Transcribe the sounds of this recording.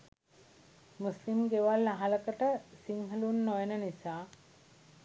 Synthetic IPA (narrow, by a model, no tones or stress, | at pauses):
muslimɡeʋalnaɦaləkəʈəsiŋɦəlunːojənənisaː